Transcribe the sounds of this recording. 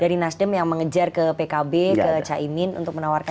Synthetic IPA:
d̥aɾinasdəmjaŋməŋəd͡ʒarkəpekabekət͡ʃaʔimɪnṵnt̪ʊk̚mənawarka

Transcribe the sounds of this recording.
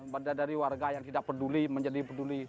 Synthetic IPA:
badadaɾiwarɡajaŋt̪idak̚pəduliməɲd͡ʒadipəduli

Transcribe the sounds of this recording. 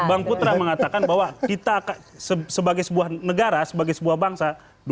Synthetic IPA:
baŋput̪ɾaməŋat̪akanbaɦwakit̪aːka | səsəbaɡajsəbuahnəɡaɾasəbaɡajsəbuahbaŋsa | d

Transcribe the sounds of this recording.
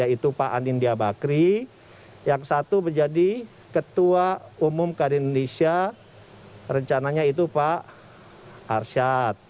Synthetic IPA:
jait̪upaʔanindiabakɾi | jaŋsat̪ubərd͡ʒadi | kət̪uaumʊmkadiindonesia | rəɲt͡ʃanaɲait̪upa | rʃat̪̚

